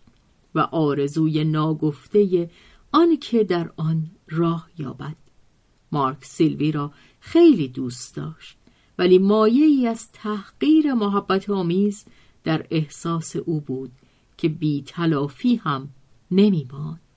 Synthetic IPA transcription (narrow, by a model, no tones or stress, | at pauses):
væ̰ʔɒːɾe̞zuːje̞nɒːɡoft̪e̞je̞ | ɒnkʰe̞d̪æɾɒnrɒːhjɒ̰ːbæd̪̥ | mɒɾkʰsilviːɾɒː | xejliːd̪uːst̪d̪̥ɒ̰ːʃt̪̚ | væliːmɒːje̞iːæzt̪ʰæhɢ̥iːɾe̞moɦæbːæt̪ʰɒːmiːz | d̪æɾe̞hsɒːse̞ʔuːbuːd̪̥ | cʰe̞biːt̪ʰælɒːfiːhæm | ne̞miːmɒːnd̪̥